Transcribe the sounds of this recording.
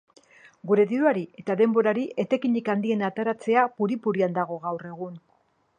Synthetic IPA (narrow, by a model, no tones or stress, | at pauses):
ɡuɾe̞ðiɾuaɾie̞t̪aðe̞mbo̞ɾaɾiʔe̞t̪e̞kiɲikand̪ie̞nat̪eɾat͡se̞apuɾipuɾiand̪aɣ̞o̞ɣawre̞ɣ̞un